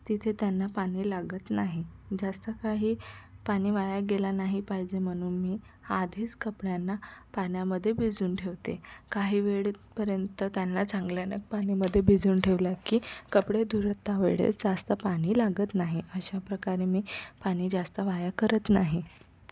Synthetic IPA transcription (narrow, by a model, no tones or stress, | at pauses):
t̪it̪ʰet̪janːapaɽ̃iːlaɡət̪naɦid͡zast̪əkaɦiːpaɽ̃iːʋajaɡelanaɦipaɦid͡ʑem̤əɽ̃uːnmiː | ad̪ʱiːt͡skəpɽjanːapanjaməd̪ʱːjebʱid͡zuːnʈʰeʋt̪ḛkaɦiːʋeɭpəɾjənt̪ət̪janːat͡saŋɡljanə̰k̚paɽ̃iməd̪ʱːjebʱid͡zuːnʈʰeʋlakiːkəpɽed̪ʱuɾət̪ːaʋḛɽḛt͡sd͡zast̪əpaɽ̃iːlaɡət̪naɦiʔəɕapɾəkaɾemiːpaɽ̃iːd͡zast̪əʋajakəɾət̪naɦi